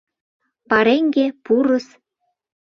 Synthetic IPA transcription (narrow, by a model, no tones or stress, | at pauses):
pɑɾeŋɡepuɾɤ̆s